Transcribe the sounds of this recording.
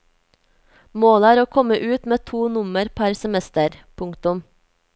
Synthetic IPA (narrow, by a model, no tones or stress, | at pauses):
moːlæːɾoːkʰɔməʔʉːt̪meːt̪ʰuːnʊməɾpʰæɾsɛmɛst̪əɾpʰʊŋkt̪ʊm